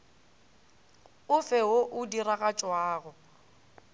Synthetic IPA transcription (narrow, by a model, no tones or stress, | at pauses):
ʊfɛɦoʔʊdiraɣat͡ʃʼwaːɣʊ